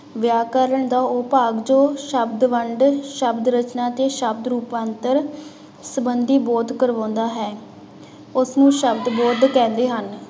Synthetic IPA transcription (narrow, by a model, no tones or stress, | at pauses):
ʋjaːkəɾəɳd̪aːʊpaːɡd͡ʒoːʃəbd̪ʋəɳɖʃəbd̪ɾət͡ʃnaːt̪eːʃəbd̪ɾuːpãːnt̪əɾ | səbənd̪iːbɔːd̪kəɾʋãːnd̪aːɦɛː | ʊsnũːʃəbd̪boːd̪kɛ̃ːnd̪eːɦən